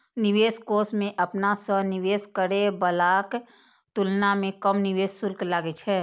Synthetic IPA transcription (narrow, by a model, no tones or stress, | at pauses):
nɪʋeːskoːsmẽʔəpnasəniʋeːskəɽebəlaːk | t̪ulnamẽkəmnɪʋeːssʊlklaːɡet͡ʃʰɛː